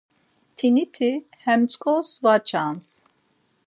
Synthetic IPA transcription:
t̪ʰinit̪ʰi | hɛmt͡sʼkʰʼɔsvat͡ʃʰans

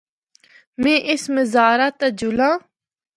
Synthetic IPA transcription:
mẽːʔɪsməzaːɾaːt̪ad͡ʒʊlãː

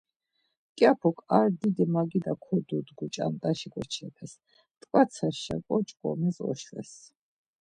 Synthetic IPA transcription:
kʼjapʰɔkʰaɾd̪id̪ɛmaɡid̪akʰɔd̪ud̪ɡut͡ʃʼa̰nt̪ʼaʃikʼɔt͡ʃʰɛpʰɛs | t̪ʼkʼat̪sʰaʃa̰kʼɔt͡ʃʼkʼɔ̰mɛsɔ̰ʃvɛ̰s

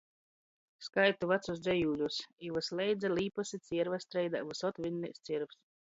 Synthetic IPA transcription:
skajt̪uvat̪susd̪zʲɛjuːlʲusivɨslʲɛjd̪zaliːpɔsit̪sʲiɛɾvast̪ɾɛjd̪avusɔt̪vʲinːist̪sʲiɛɾvs

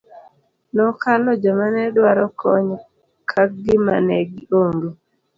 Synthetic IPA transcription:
nɔkalɔd͡ʒɔmanɛdwaɾɔkʰɔɲ | kʰak̚ɡɪma̰nɛɡoŋɡo

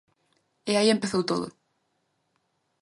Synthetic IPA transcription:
ɪaiempeθowt̪oðʊ̰

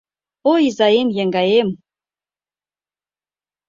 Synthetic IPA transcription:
oizɑemjeŋɡɑem

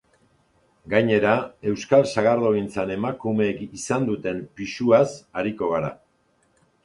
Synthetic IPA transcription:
ɡajɲe̞ɾae̞wskalsaɣaɾðo̞ɣint͡sane̞makume̞ːkisand̪ut̪e̞mpisuasaɾiko̞ɣaɾa̰

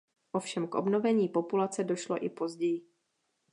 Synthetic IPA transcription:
ʔo̞fʃɛmkʔo̞̰bnovɛɲiːpo̞pulat͡sɛdo̞ʃlo̰ʔɪpo̞zɟɛjɪ

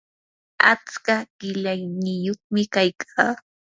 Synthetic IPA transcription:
a̰t͡skaɢ̥ɪlajnɪjoχmɪkajkʰaː

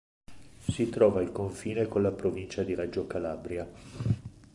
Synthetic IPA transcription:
sit̪ɾɔːvailkoɱfiːnekonlapɾovint͡ʃad̪iɾad͡ʒokalabɾja

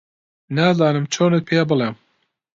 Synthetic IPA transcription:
naːzɑːnɨmt͡ʃʰoːnet̪̚pʰejabɨlem

